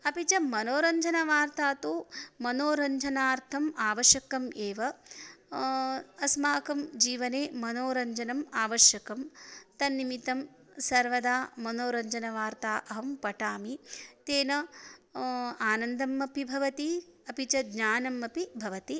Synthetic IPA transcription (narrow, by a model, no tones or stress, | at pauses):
ɐpit͡ʃɐmɐnoːɾɐɲd͡ʒʱɐnɐʋaːɾt̪aːt̪oːmɐnoːɾɐɲd͡ʒʱɐnaːɾt̪ʰɐmaːʋɐʃjɐkɐmeːʋɐ | ɐsmaːkɐmd͡ʒiːʋɐneːmɐnoːɾɐɲd͡ʒɐnɐmaːʋɐʃjɐkɐmt̪ɐnːimit̪ɐm | sɐɾʋɐd̪aːmɐnoːɾɐɲd͡ʒɐnɐʋaːɾt̪aːʔɐɦɐmpɐʈaːmit̪eːnɐ | aːnɐnd̪ɐmːɐpibʱɐʋɐt̪iɐpit͡ʃɐɡɲaːnɐmːɐpibʱɐʋɐt̪i